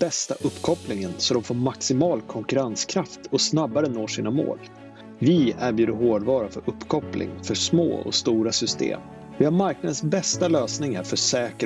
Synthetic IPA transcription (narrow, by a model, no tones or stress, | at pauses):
b̥ɛst̪a̰ʔɵpːkʰɔplɪŋənsɔd̪ɔmfoːɾmaksɪmɑːlkʰɔŋkɵɾanskʰɾaft̪ʰɔsnabːaɾənoːʂiːnamo̰ːl | vɪæɾbjʉːd̪əɾɦoːɖvɑːɾafœɾɵpːkʰɔplɪ̰ŋfœʂmo̰ːɔ̰st̪uːɾasʏst̪ḛːm | vɪhaɾmaɾknad̪ənsbɛst̪aløːsnɪŋaɾfœʂɛːkə